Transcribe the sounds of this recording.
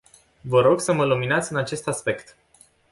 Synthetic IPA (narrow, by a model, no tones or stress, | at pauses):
vəɾo̞ɡsəməluminat̪sʲɨnat͡ʃe̞st̪aspe̞kt̪